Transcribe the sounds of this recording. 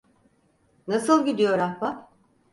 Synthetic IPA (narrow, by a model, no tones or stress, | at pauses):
nasɯlˠɟid̪ijo̞ɾahba